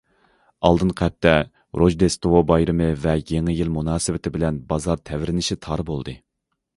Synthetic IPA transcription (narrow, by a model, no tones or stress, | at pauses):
ɑ̰lˠd̪ɨnqʰɛp̚t̪ɛ | ɾʔoʒd̪est̪owobɑjɾɨmɨvɛjeŋɪjilmunɑːsɨvɪt̪ʰɪbɪlɛnbɑzɑɾt̪ʰɛvɾɪnɪʃit̪ʰɑɾbolˠd̪ɨ